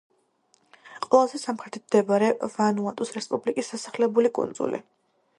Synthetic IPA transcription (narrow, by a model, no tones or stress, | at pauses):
qʼwɛlˠazɛsamχɾɛt̪ʰi̥t̪̚md̪ɛbaɾɛvanuat̪ʼusɾɛspʼublikʼisːasaχlɛbulikʼṵnd̪z̥ṵlḭ